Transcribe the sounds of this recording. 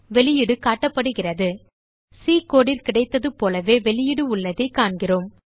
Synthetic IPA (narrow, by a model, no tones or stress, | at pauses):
ʋɛɭɪjɪɽɯkaːʈːɐpːɐɽɯɣɪrɐðɯ | siːkoːɽɪlkɪɽɐɪt̪ːɐðɯpoːlɐʋeːʋɛɭɪjɪɽɯʊɭːɐðɐɪkaːɳɡɪroːm